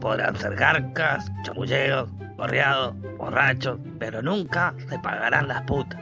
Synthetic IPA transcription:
po̞ðɾa̰nseɾɣaɾkast͡ʃomuʒeos | ɣo̰rjaðos | βo̰rat͡ʃos | peɾo̞nuŋkasepa̰ɣaɾanlasput̪ḁs

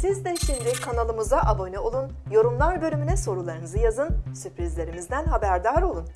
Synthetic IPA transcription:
sizd̪ɛʃimd̪ɪkʰanalˠɯmɯzaʔabo̞nɛo̞lˠun | jo̞ɾumlˠaɾbølʲymynɛso̞ɾulˠaɾɯnɯzɯjazɯnsypɾizlʲe̞ɾimizd̪ænɦabæɾd̪aɾo̞lˠun

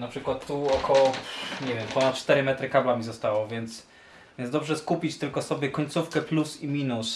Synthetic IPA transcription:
napʂɘkwat̪ːuɔkʰɔwɔɲɛvʲjɛmpɔnat̪̚t͡ʂt̪ɛɾɘmɛt̪ɾɘkablamʲizɔst̪awɔvʲjɛnt̪s | vvjɛnzd̪ɔbʐɛskupʲit͡ɕt̪ɘlkɔsɔbʲjɛkɔɲʲt̪sufkɛplusimʲinus

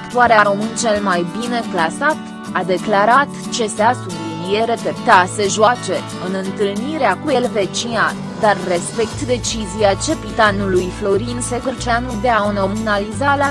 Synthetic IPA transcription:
kt̪uaɾeaɾo̞mɨnt͡ʃe̞lmajbine̞klasat̪ | ad̪e̞klaɾat̪t͡ʃe̞seasublinie̞ɾepept̪ase̞ʒoat͡ʃe̞ | ɨnɨnt̪ɨlniɾeakue̞lve̞t͡ʃina | d̪arːe̞spe̞kt̪d̪e̞t͡ʃiziat͡ʃe̞pit̪anulujflo̞ɾinsekɨɾt͡ʃeanud̪eaono̞munalizalea

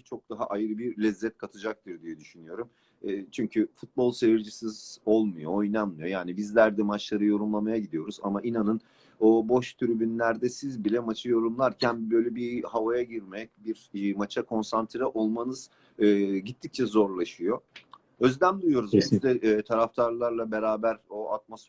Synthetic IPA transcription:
t͡ʃʰo̞k̚d̪̥aɦaʔajɯɾɯbiɾlʲɛzːɛt̪kʰat̪ʰɯd͡ʒak̚t̪ʰɯɾd̪ijɛd̪yʃynyjo̞ɾum | ɛːt͡ʃʰyɲcʰyfut̪̚bo̞lˠseviɾd͡ʒisizo̞lˠmujoojnammˠɯjo̞jaːnibizlʲæɾd̪ɛmat͡ʃlˠaɾɯjo̞ɾumlˠamajaɟid̪ijo̞ɾuza̰maʔinanɯn | obo̞ʃt̪ʰyɾybynlʲæɾd̪ɛsizbilʲɛmat͡ʃʰɯjo̞ɾumlˠaɾcʰænbø̞jlʲɛbihavajaɟiɾmɛc̚biɾmat͡ʃʰakʰo̞nsant̪ʰiɾɛʔo̞lˠmanɯz̥ | ɯɟit̪ʰːic̚t͡ʃʰɛzo̞ɾlˠaʃɯjo̞ | ø̞zlʲæmd̪ujo̞ɾuzbɛsid̪ɛːt̪ʰaɾaft̪ʰaɾlˠaɾlˠabe̞ɾaːbæɾoat̪̚mosf

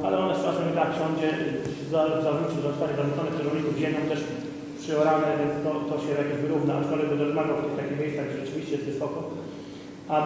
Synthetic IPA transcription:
alɛɔnɛst̪ɾasmɔmʲit̪akɕɔɲd͡ʑɛ | zazavɾut͡ɕizaɔst̪aɲɛzaut͡s̪ɔnɛkt̪uɾɛɔɲimɘvʑɛmʲjɔ̃mt̪ɛʂ | pʂɘɔɾalɲɛvʲjɛnt̪t̪ɔt̪ɔɕɛjakʲɛʑvɘɾuvnaaʂkɔlʲɛbɨɾɔd̪maɡawt̪ɔft̪akʲiɣmʲejssaɣɡd͡ʑɛʐɛt͡ʂɨvʲiɕt͡ɕɛjɛst̪vɘsɔkɔ | a

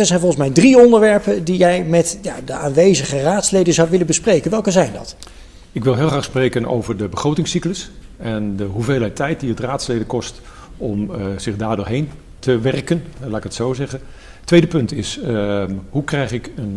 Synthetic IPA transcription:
ɛzɛjnvɔlˠχən̩smɛjdriɔndəɹʋɛɹpədijɛjmɛtjadəʔaːnʋejzəχəraːtslejdəzɑwʋɪlənbəsprejkənʋɛlˠkəzɛjndɑ̰t | ɪkʋɪlˠɦɪːlˠχraːχsprejkəno̰wvəɹdəbəχrowtɪŋsikləs | ɛndəɦuvejlˠɦɛtʰɛjt̚diətraːtslejdəkɔst | ɔmz̥ɪχdaːɹdʊːɹɦejn | tʰəʋɛrkənlaːɪkətsowzɛχə | tʋejdəpɵntɪs | ɦukrɛjχɪkən

